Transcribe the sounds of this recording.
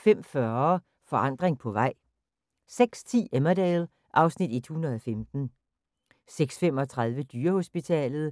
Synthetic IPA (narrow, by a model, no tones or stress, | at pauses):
fem̰fɶɐ | fɒ̽ʔɑ̈n̰d̥ʁeŋpʰɒ̽ʋɑ̈ɪ̰ | seɡ̥st͡sʰḭːemɐdɛːl | ʔɑ̈ʊsnid̥ed̥hunɐð̞ˠɒ̽femd̥n̩ | seɡ̥sfem̰ɒ̽t͡sʰʁɑ̈ð̞ˠʋəd̥yːɐho̝sb̥it͡sʰɛ̰ːlð̞̩ˠ